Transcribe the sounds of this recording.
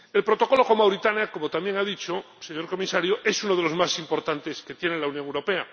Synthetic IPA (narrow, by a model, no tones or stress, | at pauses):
e̞lpɾot̪o̞ko̞loko̞mawɾit̪anjako̞mot̪amje̞ŋaðit͡ʃo | seɲo̞ɾko̞misaɾjoʔe̞sunoðelo̞zmasimpo̞ɾt̪ant̪e̞sket̪je̞nelaunjoŋewɾo̞pe̞a